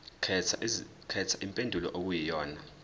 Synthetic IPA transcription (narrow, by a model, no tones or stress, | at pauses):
kʰɛt͡sʰaʔimpʼendʱulɔ̰ʔok̬ujijɔːna